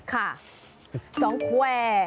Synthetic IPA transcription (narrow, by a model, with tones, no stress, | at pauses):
kʰa˥˩ | sɔː˨˩˦ŋkʰɛː˧